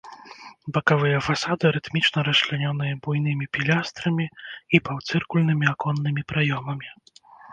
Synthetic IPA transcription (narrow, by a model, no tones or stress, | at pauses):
bɐkavɨjɐfasad̪ɨɾɨt̪mʲit͡ʂnɐɾɐslʲanʲɔnɨjɐbujn̪ɨmʲipʲilʲast̪ɾɐmʲiipawt̪sɨrkulʲnɨmʲiakɔnːɨmʲipɾajɔmɐmʲi